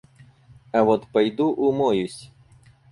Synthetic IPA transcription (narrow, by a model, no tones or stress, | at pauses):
ɐʋɔt̪pɐjd̪uʔumɔjusʲ